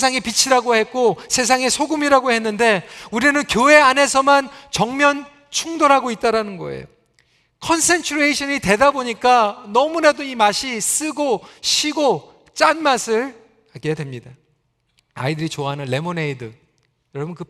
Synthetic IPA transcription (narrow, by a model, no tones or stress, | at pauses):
s̬ʰaŋipit͡ɕʰiɾaɡohe̞k͈osʰe̞s̬ʰaŋe̞sʰoɡumiɾaɡohe̞nːɯnde̞uɾinɯnkjoe̞ane̞s̬ʰʌmant͡ɕʌŋmjʌn | t͡ɕʰuŋdoɾɦaɡoit̚t͈aɾanɯnɡʌ̰ḛjo̰ | kʰʌnsʰe̞nt͡ɕʰuɾeiɕʰʌɲite̞daboɲik͈anʌmunedoimaɕʰis͈ɯɡoɕʰiɡo | t͡ɕ͈anmasʰɯɭ | akedwe̞mɲida | a̰idɯɾit͡ɕoaɦanɯnle̞moneidɯ | jʌɾʌbunkɯ